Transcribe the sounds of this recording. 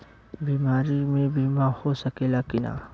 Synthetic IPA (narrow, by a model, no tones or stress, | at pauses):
biːmaːɾimẽbʱimãhosɐkeːlaːkɪna̰ː